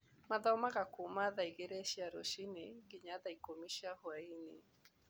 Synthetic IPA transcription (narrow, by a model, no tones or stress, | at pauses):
maðɔmaɣakomaðaiɣeɾɛʃiaɾoʃineɡeɲaðaikomiʃiahwainḛ